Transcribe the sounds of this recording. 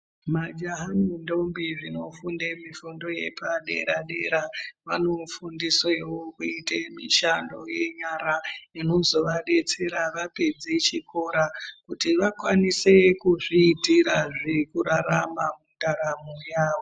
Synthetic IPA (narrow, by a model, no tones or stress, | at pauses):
mad͡ʒaɦamundo̞mbiʐino̞fundemifundo̞je̞̰paɗe̞̰ɾaɗḛɾaʋa̰no̞fundisoewokuitemḭʃando̰je̞ɲaɾaino̞zo̞ʋaɗe̞t͡se̞ɾaʋape̞d͡zet͡ʃiko̞ɾakutiʋakwanise̞kuʐiːtiɾaʐikuɾaɾamamundaɾamujaːwo